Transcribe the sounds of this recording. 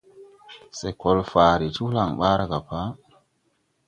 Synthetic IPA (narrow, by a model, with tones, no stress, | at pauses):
se˨ko˨lfaː˨ɾi˨tu˦la˨ŋɓa˦ɾa˨ɡa˨pa˦